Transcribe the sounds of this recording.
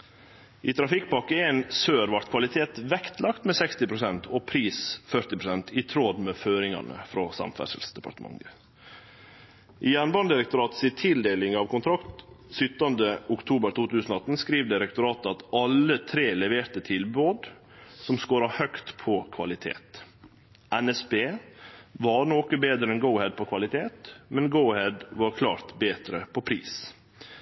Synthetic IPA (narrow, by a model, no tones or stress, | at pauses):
ʔiːt̪ʰɾɑfɪkːpɑkːəensøːɾʋɑɾt̪kʰʋɑlɪt̪ʰeːt̪ʋɛkt̪lɑkt̪mɛːsɛkst̪ɪpɾʊsɛnt̪ʰoːpʰɾiːsfœɾt̪ɪpɾʊsɛnt̪ʰɪt̪ʰɾoːd̪meːføːɾɪŋɑ̰nə̰fɾoːsɑ̰mfæ̰ʂə̰lsd̪ɛpɑ̰ɾʈ̪əmɑ̰ŋə | ʔiːjænbɑnd̪ɪɾɛk̚t̪ʊɾɑːt̪siːt̪ʰɪld̪eːlɪŋɑːʋkʊnt̪ʰɾɑkt̪sʏt̪ːɑnd̪əʊkt̪ʰuːbəɾt̪uːt̪ʉːsnɔɑt̪n̩skɾiːʋd̪ɪɾɛk̚t̪ʊɾɑːt̪əɑt̪ɑlət̪ʰɾeːlɛʋeːɾt̪ət̪ʰɪlboːd̪ | sɔmskoːɾɑhœkt̪pʰɔkʰʋɑ̰lɪt̪ʰḛːt̪ | ʔɛnɛsbeːʋɑɳoːkəbeːd̪ɾəɛnɡəʊhɛd̪̚pʰɔkʰʋɑlɪt̪ʰeːt̪mɛnɡəʊhɛd̪ʋɑɾkʰlɑ̰ːɾt̪beːd̪ɾəpʰɔpʰɾḭːs